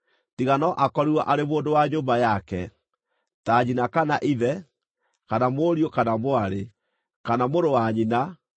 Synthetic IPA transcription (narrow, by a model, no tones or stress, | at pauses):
tiɣanɔʔakɔɾiwaʔaɾemoːndowaɲoːmbajakɛ | taːɲinakanaʔiðɛ | kanamoɾiokanamoaɾe | kanamoɾowaɲina